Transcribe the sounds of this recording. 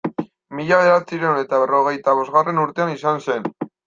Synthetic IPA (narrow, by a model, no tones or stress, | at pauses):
miʎaeɾat͡siɾene̞t̪aβ̞ero̞ɣ̞e̞jt̪aβ̞o̞zɣare̞nuɾt̪e̞anisanse̞n